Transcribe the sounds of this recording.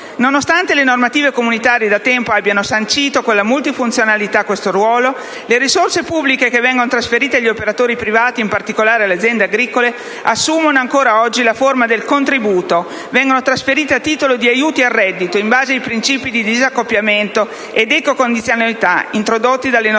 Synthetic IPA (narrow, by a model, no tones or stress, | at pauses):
nonost̪ant̪elenormat̪iːvekomunit̪aːɾjed̪at̪ːɛmpoabːjanosant͡ʃiːt̪okolamult̪ifunt̪sjonalit̪akːwest̪oɾwɔːlo | leɾisorsepubːlikekevːɛŋɡonot̪ɾasfeɾiːt̪eaʎːiopeɾat̪oːɾipɾivaːt̪iːmpart̪ikolaːɾealead̪zjɛnd̪eaɡɾiːkole | asːuːmonoaŋkoːɾaɔd͡ʒːilaformad̪elkont̪ɾibuːt̪o | vɛŋɡonot̪ɾasfeɾiːt̪eat̪ːiːt̪olod̪iajuːt̪iarːɛd̪ːit̪oimbaːzeajpɾint͡ʃiːpid̪id̪izakːopːjament̪o | ed̪ekokond̪it̪sjonalit̪a̰int̪ɾod̪ot̪ːid̪alːen